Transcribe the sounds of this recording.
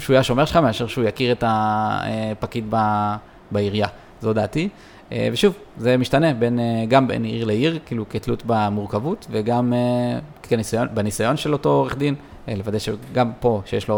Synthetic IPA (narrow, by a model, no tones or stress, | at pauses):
ʃujaʃo̞me̞ʁʃe̥χameaʃeʁʃeujakiʁetaḛpakitba | baiʁja | zo̞daːti | ḛveʃuvzemiʃtane̞be̞neɡambḛniʁleiʁkiːlukitlutbamuʁkavutve̞ɡamekkenisajonbenisajo̞nʃelo̞to̞oʁeχd̪in | le̞vad̪ajʃeɡampo̞ʃejeʃlo